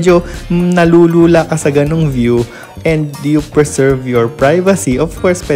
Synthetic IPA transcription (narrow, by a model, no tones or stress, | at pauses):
d͡ʒonɐluːluːlakɐsɐɡɐnoŋvju | ʔɛ̃nd̪̚ːujupɹɛsɛɹvjɔɹpɹajvɐsiʔɔvkɔɹspwɛ